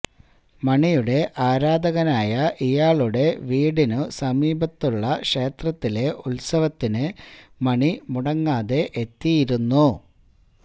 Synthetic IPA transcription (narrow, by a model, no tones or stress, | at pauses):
mɐɳijuɽe̞ʔaːɾaːd̪ɐɣɐnaːjɐʔijaːɭuɽe̞ʋiːɽinɨsɐmiːbɐt̪ːuɭːɐʂe̞ːt̪rɐt̪ːile̞ʔulsɐʋɐt̪ːinɨmɐɳimuɽɐŋːaːðe̞ʔet̪ːijiɾunːu